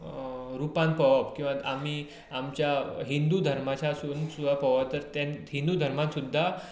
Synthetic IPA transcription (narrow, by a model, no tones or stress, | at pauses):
ɾupanpəʋapkĩw̃ʋaami | amt͡ɕjaɦind̪ud̪ʱəɾmat͡ɕasunsuapəʋat̪əɾt̪anɦind̪ud̪ʱəɾmãsud̪ʱːa